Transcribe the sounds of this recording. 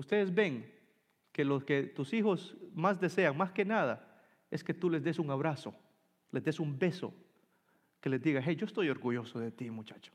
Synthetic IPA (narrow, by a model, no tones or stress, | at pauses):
ust̪e̞ðezbe̞ŋ | ke̞losket̪usixo̞smazd̪e̞se̞aŋmaske̞naða̰ | e̞ske̞t̪ule̞zd̪e̞suŋaβɾaso̞̰ | le̞zd̪esumbe̞so̰ | ke̞le̞zd̪iɣasejd͡ʒo̞est̪o̞jo̞ɾɣuʝo̞soðe̞t̪imut͡ʃḁt͡ʃo̥